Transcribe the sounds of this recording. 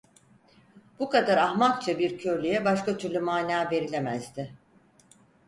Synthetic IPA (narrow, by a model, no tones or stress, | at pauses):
b̥ukad̪aɾahmak̚t͡ʃʰabiɾcʰøɾlʲyjɛbaʃkat̪ʰyɾlʲymaːnaːve̞ɾilʲe̞mæzd̪ɪ